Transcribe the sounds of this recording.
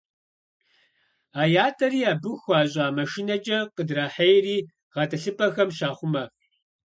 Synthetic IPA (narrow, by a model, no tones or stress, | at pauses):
aːjaːtʰɐriːaːbɨxʷaːʑʼaːmɐʃinɐd͡ʒʼɐqədraːħejriː | ʁɐtʰɐɬɨpʰʼɐxɐmɕaːχʷʊmɐ